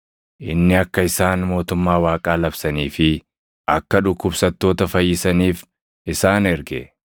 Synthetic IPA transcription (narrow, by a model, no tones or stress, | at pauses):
ʔɪnːɪɐkːɐɪsaːnmo̞ːt̪ʊmːaːwaːkʼaːlɐbsɐniːfɪ | ʔɐkːɐᶑʊkːʊbsɐt̪ːo̞ːt̪ɐfɐjːɪsɐniːf | ʔɪsaːnɛɾɡɛ̰